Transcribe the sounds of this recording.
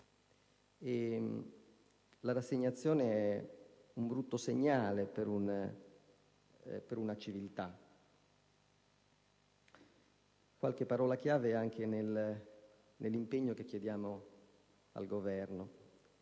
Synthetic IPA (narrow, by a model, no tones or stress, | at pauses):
e | laɾasːeɲːat̪sːjɔːneɛ | umbɾut̪ːoseɲːaːlepeɾun | peɾunat͡ʃivilt̪a | kwa̰lkepːaɾɔːlak̟jaːveɛaŋkʰenel | nʔelːimpeɲːokekːjed̪jaːmo | a̰lɡovɛrno